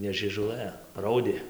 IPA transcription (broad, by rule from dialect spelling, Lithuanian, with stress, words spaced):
nʲɛ ʒʲiɛʒʊˈlˠɘ ˈrɐʊdʲeː